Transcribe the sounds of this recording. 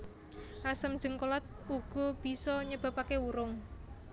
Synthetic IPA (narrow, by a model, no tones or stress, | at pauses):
ʔasəm̥d͡ʒə̤ŋkolat̪̚uɡ̥ɔ̤b̥i̤sɔɲəb̥a̤pakeuɾʊŋ